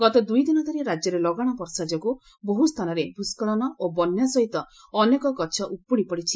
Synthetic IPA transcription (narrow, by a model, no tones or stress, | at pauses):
ɡɔt̪ɔd̪ujd̪inɔd̪ʱaɾiɾad͡ʒjɔɾelɔɡaɽ̃ɔpɔɾsad͡ʒɔku | boɦust̪ʰanɔɾebuskɔɭɔnɔʔobɔnjasɔɦit̪ɔː | nekɔkɔt͡ʃʰɔʔupːuɽ̃ipɔɽit͡ʃʰi